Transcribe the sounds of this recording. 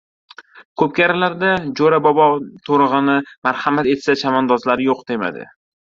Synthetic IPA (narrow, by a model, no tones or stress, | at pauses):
kʰɵp̚kʲaɾalaɾd̪ad͡ʒoɾabɒbɒt̪ʰoɾɨʁɨnɪmaɾhamat̪e̞t̪sat͡ʃʰamɒnd̪ɒzlaɾɪjoqd̪e̞ma̰d̪ɪ̰